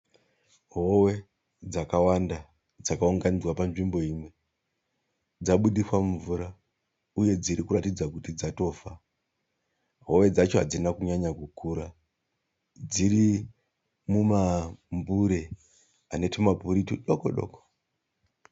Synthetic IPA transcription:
ɦo̞we̞ | d͡zakawanda | d͡zakauŋɡanid͡zwapanʐimbo̞imwe̞ | d͡zaɓuɗiswamuɱvuɾa | uje̞d͡ziɾikuratid͡zakutid͡zato̞ːfa | ɦo̞we̞d͡zat͡ʃoɦad͡zinakuɲaɲakukuːɾa | d͡ziɾi | mumambuɾe̞ | ane̞timapuɾitiɗoko̰ɗo̰ko̥

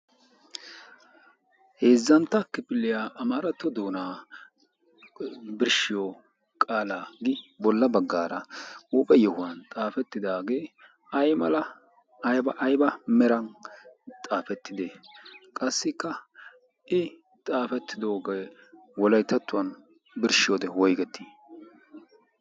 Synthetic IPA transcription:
heːzːɐnt̪ːɐkɪpɪlːɪjaːʔɐmaːɾɐt̪ːɔd̪oːnaː | bɪɾʃɪjo | kʼaːlaːɡɪbɔlːɐbɐɡːaːɾɐuːpʼɛjɔhʊwɐnt̪ʼaːfɛt̪ːɪd̪aːɡe̞ː | ɐjmɐlɐ | ɐjbɐʔjbɐmɛɾɐnt̪ʼaːfɛt̪ːɪd̪ekʼɐsːɪkːɐ | ʔɪ | t̪ʼaːfɛt̪ːɪd̪o̞ːɡɐ | wɔlɐjt̪ːɐt̪ːʊwɐn | bɪɾʃɪjoːd̪ɛwɔjɡɛt̪ʰːiː

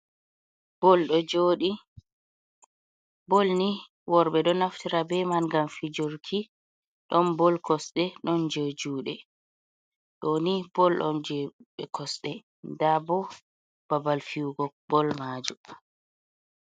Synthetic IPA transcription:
bɔlɗɔd͡ʒoɗi | bolni | wɔɾɓɛɗɔnaftiɾabɛmanɡamfid͡ʒoɾkʰi | ɗɔnbɔlkʰɔsɗɛɗɔnd͡ʒod͡ʒuːɗɛ | ɗonib̥ɔlɗɔ̰nd͡ʒɛɓɛkʰɔsɗɛ | ndabɔ | b̥abalfiuɡɔ | bɔlmaːd͡ʒu

